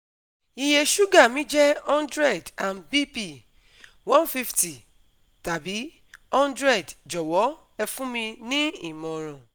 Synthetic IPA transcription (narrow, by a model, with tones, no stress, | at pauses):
i˧je˧ʃu˦ɡa˦˨mĩ˨˦d͡ʒɛ˦ɔ̃˦ndɾɛ˦˨dã˨nbi˦pi˦˨ | wɔ̃˦nfi˦fti˨ | ta˨bi˨˦ | ɔ̃˦ndɾɛ˦˨dd͡ʒɔ˨wɔ˨˦ | ɛ˧fũ˦mĩ˧nĩ˦i˦˨mɔ̃˨ɾ̃ɔ̃˨